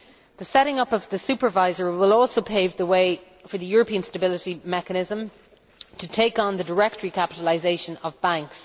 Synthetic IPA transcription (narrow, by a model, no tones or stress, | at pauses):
ðəsɛɾɪ̃ŋʌpʌvðəsʉpə˞vaɪzə˞wɪlɔˑlˠsoʊpʰeɪvðəweɪ | fə˞ðəjɔɹəpĩə̃nstəbɪlɪɾimɛkənɪzə̃m | tʰətʰeɪkn̩ðədə˞ɛk̚təɹikʰapɪɾəlɪzeɪʃə̃nəvbãŋks